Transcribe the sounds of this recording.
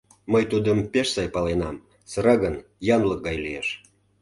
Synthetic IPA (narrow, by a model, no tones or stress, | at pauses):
məjt̪ud̪əmpeʃsɑjpɑlenɑm | sɤɾɑɣən | jɑnlək̚ɡɑjlieʃ